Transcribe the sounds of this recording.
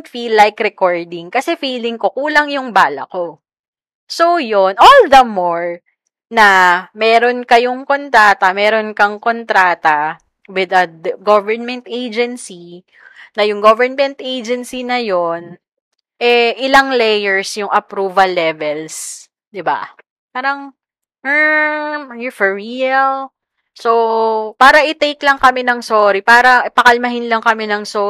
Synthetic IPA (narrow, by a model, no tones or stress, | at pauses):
t̪filːajkɾɛkoɹd̪ɪŋkɐsɛfiːlɪŋko̞kuːlɐŋjʊŋbaːlɐ̰ko | sojonʔold̪ɐmoɹ | nɐmɛːɾonkɐjoŋkont̪ɾaːt̪ɐmɛːɾonkɐŋkont̪ɾaːt̪ɐ | wɪd̪ɐdɡovɛɹnmɛnt̪ʔejd͡ʒɛnsi | nɐjʊŋɡovɛɹnmɛ̃nt̪ʔejd͡ʒɛnsinɐjon | ʔɛʔɪlaŋlɛjɛɹsjʊŋʔɐpɾuːvɐlːɛvɛls | d̪ɪba̰ | paːɾɐŋ̩ | jufɛɹiɐl | sopaːɾɐʔɪt̪ejklɐŋkɐmɪnɐŋsoːɾipaːɾɐʔpɐkɐlmɐɦɪnlɐŋkɐmɪnɐŋso